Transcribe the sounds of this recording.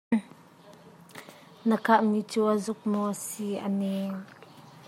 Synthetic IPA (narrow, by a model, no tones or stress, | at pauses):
nəkʰaʔmit͡suazʊk̚mɔʔəsiʔə̰ni